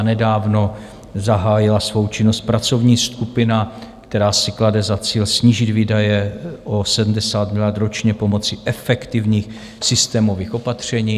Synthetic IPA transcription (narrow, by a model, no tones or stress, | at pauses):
nɛdaːvno̞ | zaɦaːjɪlasvo̞wt͡ʃɪnost̪̚pɾat͡so̞vɲiːskupɪnakt̪ɛɾaːsɪkladɛzat͡siːlsɲiːʒɪd̪viːdajɛʔosɛdm̩dɛsaːt̪mɪlat̪ɾo̞t͡ʃɲɛpo̞mo̞t͡sɪʔɛfɛkt̪ɪvɲiːx | sɪst̪ɛːmo̞viːxʔo̞pat̪r̝̥ɛɲiː